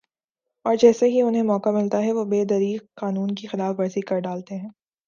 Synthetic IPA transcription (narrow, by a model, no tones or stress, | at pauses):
ɔːɾd͡ʒɛːseɦiʊnɦẽmɔːkamɪlt̪aɦɛʋobeːd̪ɐɾiːqqaːnuːnkixɪlaːfʋɐɾzikɐɾɖaːlt̪eɦɛ̃ː